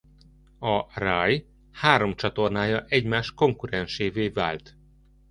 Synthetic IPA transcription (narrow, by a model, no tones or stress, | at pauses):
ɒraj | haːɾo̞mt͡ʃɒt̪o̞rnaːjɒʔɛɟmaːʃt̪ko̞ŋkuɾɛnʃeːveːva̰ːlt̪